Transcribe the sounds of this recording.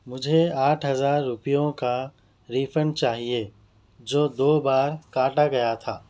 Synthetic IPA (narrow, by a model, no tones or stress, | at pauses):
mʊd͡ʒʱeaːʈʰɦɐzaːɾːʊpijõka | ɾiːfʰəɳɖt͡ʃaːɦie | d͡ʒoːd̪oːbaːɾkãːʈaɡɐjat̪ʰaː